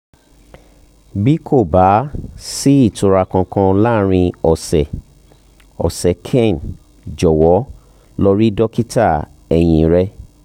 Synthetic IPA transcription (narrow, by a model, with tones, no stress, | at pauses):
bi˦kʰo˦˨ba˨˦si˦i˦˨tu˨˧ɾa˧kã˧kã˧la˦ɾ̃ĩ˧ɔ˨sɛ˨ | ɔ˨sɛ˨kʰɛ̃˦˨n | d͡ʒɔ˨wɔ˨˦ | lɔ˦ɾi˦dɔ˦ki˦ta˦˨ | ɛ˨j̃ĩ˨˦ɾɛ˦